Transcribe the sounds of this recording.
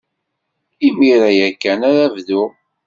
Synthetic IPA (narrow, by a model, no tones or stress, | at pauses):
imiɾæjækːænaɾævðʊ